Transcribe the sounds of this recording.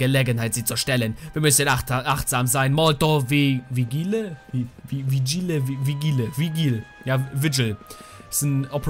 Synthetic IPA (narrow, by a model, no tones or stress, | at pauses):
əleːɡənɦaɪtz̥iːt͡suɐʃtɛlənviːɐmʏsənaʔaχtz̥aːmzaɪnmɔltoviviɡiːləviviɡiləviɡiːləviɡiːl | jaːvɪd͡ʒl̩ | ɪsn̩ʔɔpʰə